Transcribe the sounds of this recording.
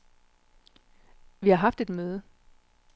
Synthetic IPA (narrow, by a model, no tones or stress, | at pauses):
ʋihɑ̈ɦɑ̈fd̥e̝d̥møːð̞ˠə